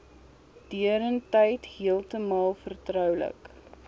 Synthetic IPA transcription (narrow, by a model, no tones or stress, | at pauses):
d̥iəɾəntɛjtɦiəlˠtəmɑːlˠfərtrœwlə̰k